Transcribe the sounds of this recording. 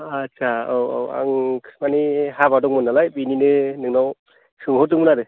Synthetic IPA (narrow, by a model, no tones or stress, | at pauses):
at͡ʃʰaowa̰wa̰ŋkʰsmanihabadɔŋmɯnalajbininɯnɯŋnaw | sɯŋɦɔtɯŋmɯnadɯ